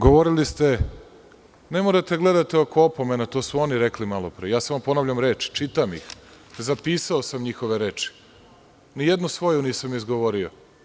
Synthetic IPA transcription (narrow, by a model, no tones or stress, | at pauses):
ɡoʋoɾilist̪e̞ | nemoɾat̪eɡle̞d̪at̪eokoopo̞menat̪o̞ːsuoniɾeklimalˠopɾejaːsamopo̞navʎamɾeːt͡ʃi̥t͡ʃit̪amḭx | zapiːsao̞samɲixo̞ʋeɾeːt͡ʃi̥ | nijed̪nusʋo̞juniːsamizɡoʋo̞ɾio̰